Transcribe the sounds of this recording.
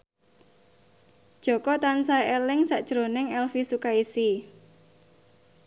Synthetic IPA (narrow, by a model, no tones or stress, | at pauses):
d̥ʒ̥ɔ̤kɔt̪ansaelɪŋsaʔd̥ʒ̥ɾonɪŋɛlfisukaisi